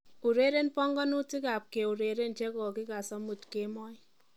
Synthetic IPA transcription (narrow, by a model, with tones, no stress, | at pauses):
u˨ɾe˦ɾe˦npɔ˦ŋɡɔ˦nu˦ti˦ka˨p̚ke˨u˨ɾe˨ɾe˦nt͡ʃe˦kɔ˨kɪ˦ka˨sɔ˦mu˨tke˨˦mɔ˦j